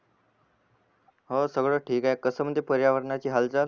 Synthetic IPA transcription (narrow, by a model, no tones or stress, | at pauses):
ɦəsəɡɭəːʈʰiːkaekəsəməd̪ʱːjepəɾjaʋəɾɳat͡ɕiːɦald͡zal